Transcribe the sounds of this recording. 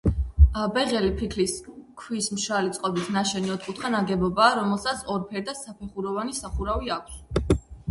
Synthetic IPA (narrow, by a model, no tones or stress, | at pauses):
abɛʁɛlipʰikʰliskʰwismʃalit̪sʼqʼɔbisnaʃɛniɔt̪kʼut̪ʰχanaɡɛbɔbaːɾɔmɛlˠsat̪sʰɔɾpʰɛɾd̪asapʰɛχuɾɔvanisaχuɾaviakʷʰs